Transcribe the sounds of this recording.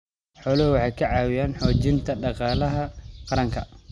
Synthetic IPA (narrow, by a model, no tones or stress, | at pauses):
ħɔːlɐhʊwɑħɑjkʰɐʕɑːwɪjaːnħɔːt͡ʃɪnt̪ʰɐɖɑqɑːlɐɦɐqɑɾɐŋkʰɐ